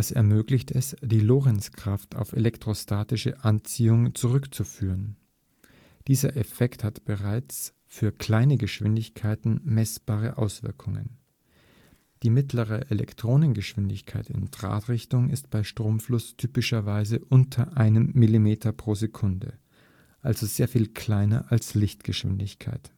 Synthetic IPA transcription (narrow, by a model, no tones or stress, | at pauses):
asɛ̰ɐmøːɡlɪçtɛsd̥iːloːʁɛnskʁ̥aftʰa̰ʊfelɛktʁ̥ostʰaːtɪʃə̰ʔant͡siːʊŋt͡suʁʏkt͡sufyːʁən | d̥iːzɐʔefɛkthatb̥əʁaɪt͡s | fyːɐkl̥aɪnəɡəʃv̥ɪ̰ndɪçkʰaɪtn̩mɛsb̥aːʁ̞əʔa̰ʊsv̥ɪɐkʰʊŋə̰n | d̥iːmɪtʰləʁ̞əʔelɛ̰ktʁ̥oːnənɡəʃv̥ɪndɪçkʰaɪtɪ̰ntʁ̥a̰ːtʁ̥ɪçtʊŋɪstb̥aɪʃtʁ̥oːmflʊstʰyːpɪʃɐvaɪzəʔʊntʰɐʔaɪnəmːilimeːtʰɐpʁ̥oːzekʰʊndə̰ | ʔalzozeːɐfiːlkʰl̥aɪnɐ̰ʔalslɪçtɡ̥əʃv̥ɪ̰ndɪçkʰa̰ɪt